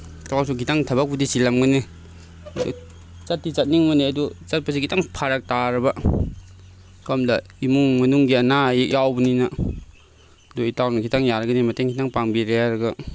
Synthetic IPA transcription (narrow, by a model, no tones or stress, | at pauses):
takasuɡitaŋtʰɐbak̚pudisilamɡɐni | ɐdṵ | t͡ʃat̚ːit͡ʃat̚niŋmɐniɐdut͡ʃat̚pasiɡitaŋpʰaɾak̚taɾɐbɐ | kamdɐimuŋmɐnuŋɡiɐnajek̚jawbninɐ | doitawnɐkʰitaŋjaɾɐɡɐnimɐteŋkʰitaŋpaŋbiɾeaɾɐɡɐ